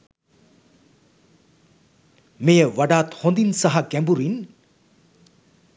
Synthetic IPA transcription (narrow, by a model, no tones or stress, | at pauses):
mejəwɐɖaːt̪hɔ̃nd̪insɐɦɐkɛmbuɾin